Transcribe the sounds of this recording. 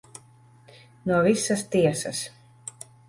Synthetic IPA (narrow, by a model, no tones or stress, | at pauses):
nuɔvisːɐst̪iɛsɐ̰s